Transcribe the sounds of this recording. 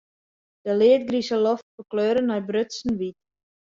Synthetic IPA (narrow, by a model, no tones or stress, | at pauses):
d̥əlɪət̚ɡrisəloftfərkløːɾənːɔjbrøtsn̩ʋit